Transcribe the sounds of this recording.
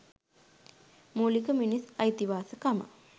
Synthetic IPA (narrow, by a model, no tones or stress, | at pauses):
mulikəminisɐjt̪iʋaːsəkamə̰